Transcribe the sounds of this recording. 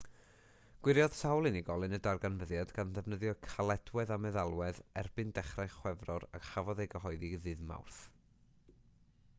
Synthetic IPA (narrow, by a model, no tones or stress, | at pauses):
ɡ̥wɪɾjɔð̥sawlˠɨniɡɔlˠɨnədarɡanvəðjadɡanðɛvnəðjɔkʰalˠɛd̥wɛðamɛðalˠwɛðɛrb̥ɨndɛχrajχwɛvrɔɾakhavɔðejɡəɦɔɨðiðɨðma̰wrθ